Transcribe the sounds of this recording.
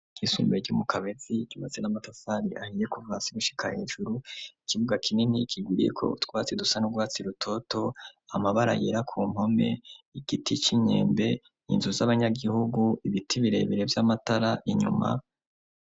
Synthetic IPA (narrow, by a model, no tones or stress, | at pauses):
ɡ̥isṵːmbeɾɟumukʰaβeziɟiβazenamatasaɾiʔahijekuvaːsiɡuʃi̥kʰahe̞ːʒuɾuikiβuɡakʰinenikʰiɡwiːɾḭjḛkʰo̞̰ṵtwaːt͡sedusanuɡwaːt͡siɾutʰo̞to̞amaβaɾa̰jeɾakʰuːmho̞me̞̰iɡitit͡ʃiɲe̞̰ːmbe̞ | ḭnzuzaβaɲaɡihuɡuʔiβitʰiβiɾe̞̰βeɾe̞vjamataɾaʔiɲṵma̰